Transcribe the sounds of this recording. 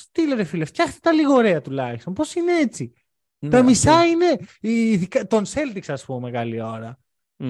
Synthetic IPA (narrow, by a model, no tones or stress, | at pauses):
st̪ileɾefileft̪çɐxt̪e̥t̪ɐliɣo̞ɾeɐt̪ulɐçist̪o̞npo̞sineet͡si | t̪ɐmisɐine̞iðikt̪onse̞lt̪ikseɐspummeɣɐlio̞ɾɐ